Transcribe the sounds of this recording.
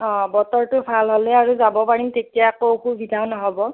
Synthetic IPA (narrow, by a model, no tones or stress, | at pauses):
ɔ̃bɔtɔɹtʊbʰʱalɦolɛaɹuzabɔpaɹimtetijaakoxubʱidʱawnɔɦɔbɔ